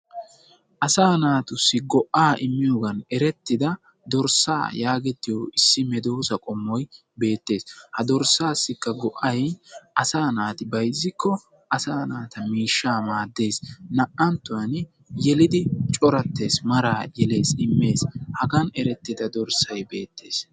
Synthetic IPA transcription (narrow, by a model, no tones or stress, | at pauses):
ʔɐsaːnaːt̪ʊsːɪɡɔʔaːʔɪmːɪjoːɡɐnɛɾɛt̪ːɪd̪ɐ | d̪ɔɾsːa̰ːjaːɡɛt̪ːɪjoɪsːɪmɛd̪o̞ːsɐkʼɔmːɔj | be̞ːt̪ːe̞ːshɐd̪ɔɾsːaːsːɪkːɐɡɔʔːɐjʔɐsaːnaːt̪ɪbɐjzːɪkʰːɔ | ʔɐsaːnaːt̪ɐmiːʃːaːmaːd̪ːe̞ːsnɐʔɐnt̪ːʊwɐn | jɛlɪd̪ɪt͡ʃʼɔɾɐt̪ːe̞ːsmɐɾaːjɛle̞ːsɪmːe̞ːshɐɡɐnɛɾɛt̪ːɪd̪ɐd̪ɔɾsɐjbe̞ːt̪ʰːe̞̰ːs